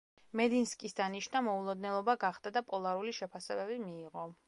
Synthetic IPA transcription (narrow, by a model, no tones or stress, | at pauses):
mɛd̪inskʼisd̪aniʃnamɔulˠɔd̪nɛlˠɔbaɡaχd̪ad̪apʼɔlˠaɾuliʃɛpʰasɛbɛbimiːʁɔ